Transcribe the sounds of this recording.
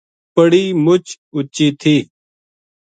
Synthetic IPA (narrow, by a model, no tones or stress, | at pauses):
pəɽiːmʊt͡ʃ | ʊt͡ʃiːt̪ʰiː